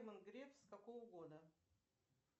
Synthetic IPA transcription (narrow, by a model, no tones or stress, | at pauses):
mənɡɾʲefskɐkovəɡod̪ə